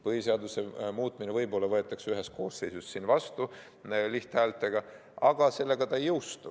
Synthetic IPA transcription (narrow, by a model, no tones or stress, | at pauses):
pɤhise̞ɑd̪use̞muːt̪ˑminevɤjbo̞lːɑvɤe̞t̪ːˑɑksyɦe̞s̚ko̞̰ːsse̞jsussinvɑst̪u | liht̪hæːlt̪ːˑe̞ɡ̥ɑ | ɑɡ̥ɑse̞lːe̞ɡ̥ɑt̪ɑejːɤwst̪ṵ